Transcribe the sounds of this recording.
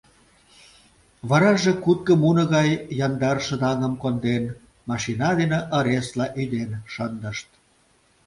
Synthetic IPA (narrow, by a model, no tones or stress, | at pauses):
βɑɾɑʒekut̪̚kəmunɤ̆ɣɑjːɑnd̪ɑrʃə̆d̪ɑŋə̆mkond̪en | mɑʃinɑd̪eneʔə̆ɾeslɑʔyd̪enʃɑnd̪ə̆ʃt̪̚